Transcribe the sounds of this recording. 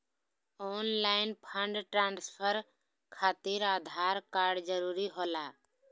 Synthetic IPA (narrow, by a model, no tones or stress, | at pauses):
oːnlaːɪnpʰə̃ɳɖʈɾãːnspʰəɾ | kʰaːt̪iɾaːd̪ʱaːɾkaːɾɖd͡ʒəɾuːɾiɦoːlaː